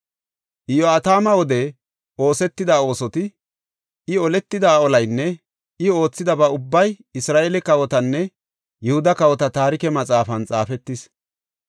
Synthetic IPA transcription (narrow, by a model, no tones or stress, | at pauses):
ʔɪjɔɐt̪aːmɐwɔd̪ɛ | ʔo̞ːsɛt̪ːɪd̪aːo̞ːsɔt̪ɪ | ʔɪɔlɛt̪ːɪd̪aːɔlɐjnːɛ | ʔɪo̞ːt͡sːɪd̪ɐbɐʊbːɐj | ɪsɾaːʔeːlɛkɐwɔt̪ɐnːɛ | jʊhʊd̪ɐkɐwɔt̪ɐt̪aːɾɪkɛmɐt͡sʼaːfɐnt͡sʼaːfɛt̪ːɪs